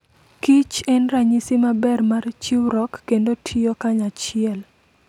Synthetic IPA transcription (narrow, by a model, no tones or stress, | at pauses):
kit͡ʃɛnraɲisimabɛrmart͡ʃiwɾɔkːendotʰiokaɲat͡ʃɪɛl